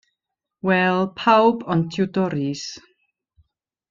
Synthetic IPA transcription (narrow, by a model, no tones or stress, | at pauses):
wɛlˠpʰawbɔntʰudɔɾis